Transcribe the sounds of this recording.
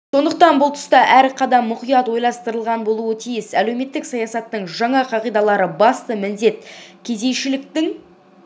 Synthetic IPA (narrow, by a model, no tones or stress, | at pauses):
so̞nd̪əqt̪ɑnbʊlˠt̪ʰʏ̥st̪ɑʔæɾqʰɑd̪ɑmːʊqijɑt̪wo̞jlˠɑst̪əɾəlˠʁɑnbo̞lˠuət̪ʰijɪsæle̞wme̞t̪ːɪksɑjɑsɑt̪ːəɴʒɑɴɑqʰɑʁijd̪ɑlˠɑɾəbɑst̪əmɪnd̪e̞t̪kʲʰe̞ze̞jʃɪlɪk̚t̪ɪŋ